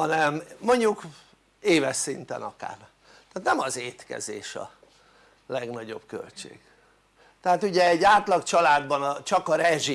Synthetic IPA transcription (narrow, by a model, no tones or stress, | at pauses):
ɒnɛmːo̞ɲɟuk | eːvɛʃsint̪ɛ̰nɒka̰ːr | t̪ɛːt̪nɛmɒzeːt̪kɛ̰zeːʃɒ̰ | lɛɡnɒɟo̞b̥kø̰lt͡ʃḛːɡ̥ | t̪ɛɦaːt̪uɟɛɛɟaːt̪lɒkt͡ʃɒlaːd̪bɒnɒt͡ʃɒkɒɾɛʒi